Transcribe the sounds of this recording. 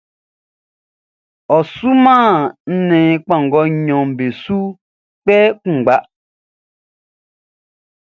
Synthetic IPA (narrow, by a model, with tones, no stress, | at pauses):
ɔ˨su˦mãː˦˨n̩˦nɛ̃ː˨˦k͡pã˦˨ŋ˨ɡɔ˦ɲɔ̃˨m˨be˨su˦ | k͡pɛ˦kũ˦˨ɡ͡ba˦ʔ